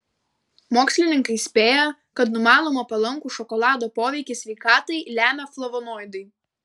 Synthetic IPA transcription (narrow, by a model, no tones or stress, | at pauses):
moːksʲlʲɪnʲɪŋkɐɪsʲpʲeːjɛ | kɐt̪nʊmɑːlˠoːmɐpɐlˠɐŋˑkuːʃɔkɔlˠɑːd̪oːpoːʋʲɛɪkʲɪsʲʋʲɛɪkɑːt̪ɐɪlʲæːmʲɛflˠɔʋɔnɔːjd̪ɐɪ